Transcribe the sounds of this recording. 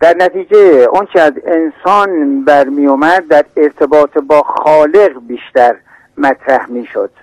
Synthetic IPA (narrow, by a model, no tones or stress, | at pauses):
d̪̥æɾnæt̪ʰiːd͡ʒeʔonkʰeæzensɒːnbæɾmiːjomæd̪̚ːæɾeɾt̪ʰebɒːt̪ʰebɒːxɒːle̞ɣbiːʃt̪æɾ | mæt̪ʰɾæhmiːʃo̰d̪̥̚